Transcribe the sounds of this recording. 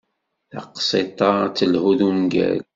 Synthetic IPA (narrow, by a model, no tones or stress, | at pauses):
θɑqsˤit̪ˤːɑt͡sːəlhuðumɡæ̰l